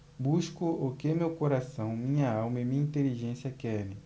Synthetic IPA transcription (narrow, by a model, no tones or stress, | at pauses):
buʃkuʔokemewkoɾasɐ̃w̃mĩɲaawmemĩɲɐĩnt̪eliʒẽsjɐkɛni